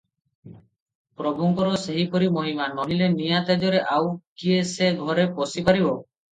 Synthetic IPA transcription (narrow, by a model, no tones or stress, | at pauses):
pɾɔbʱuŋkɔɾɔseɦipɔɾimɔɦimanɔɦilenijat̪ed͡ʒɔɾeʔawkieseɡʱɔɾepɔsipaɾibɔ